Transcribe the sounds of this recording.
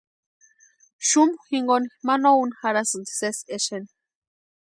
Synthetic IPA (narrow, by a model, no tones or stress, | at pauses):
ʃumxiŋɡonimanounxaɾasɨnd̪i̥seseʃeni